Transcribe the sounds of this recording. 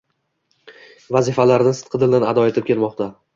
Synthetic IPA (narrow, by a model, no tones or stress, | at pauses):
vazɪfalaɾnɪsɨt̪qʰɨd̪ɪld̪anad̪ɒe̞t̪ʰɪp̚kʲʰe̞lmɒqt̪ʰa